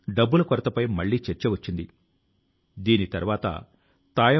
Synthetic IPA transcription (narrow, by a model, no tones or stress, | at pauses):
ɖɐbːulɐkɔɾɐt̪ɐpɐjmɐɭːiːt͡ʃeɾt͡ʃeʋɐt͡ʃːind̪i | d̪iːnit̪ɐɾuʋaːt̪ɐ̰ | t̪aːjɐ